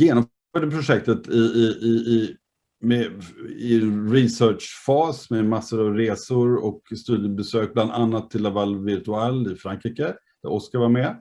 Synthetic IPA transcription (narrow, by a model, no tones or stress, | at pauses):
jeːnɔmː | ad̪əpʰɾʊʂɛk̚t̪ət̪ʰɪɪɪɪ | mɛɪɛnɾɪsœːʈʂfɑːsmɛmasːʊɾavɾeːsʊɾɔkst̪ʉ̟ːd̪jəbɛsøːk̚bland̪anːat̪ʰːɪlːavalvɪɾt̪ɵalɪfɾaŋkɾiːkəd̪̥æ̰ɾʔɔskavaɾmɛ